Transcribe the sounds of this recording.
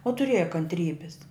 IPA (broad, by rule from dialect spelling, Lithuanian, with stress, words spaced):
oː tʊˈrʲeːjɛ kɐnʲtʲˈrʲiːbʲɪs